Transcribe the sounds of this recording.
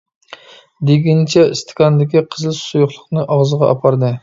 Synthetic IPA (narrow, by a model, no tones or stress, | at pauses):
d̪eɡʲint͡ʃʰɛist̪ʰɪ̥kʲʰɑnd̪ɪkʲiqʰəzɨlˠsujuχlˠʊχnɨʔɑʁzəʁɑʔɑ̰pʰɑɾd̪ɨ